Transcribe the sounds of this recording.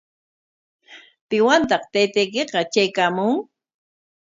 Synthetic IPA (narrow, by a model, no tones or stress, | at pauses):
pɪwant̪ɑqt̪ejt̪ejk̬eqɑt͡ʃajkaːmʊŋ